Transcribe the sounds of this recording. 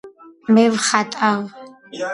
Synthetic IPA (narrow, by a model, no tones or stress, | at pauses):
mɛvχatʼaʁ